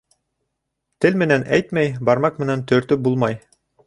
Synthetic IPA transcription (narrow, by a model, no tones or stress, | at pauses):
t̪ɘlmɘ̆nænæ̰jt̪mæjbɑɾmɑq̚mɘ̆nænt̪ɵ̆ɾt̪ɵp̚bulˠmɑj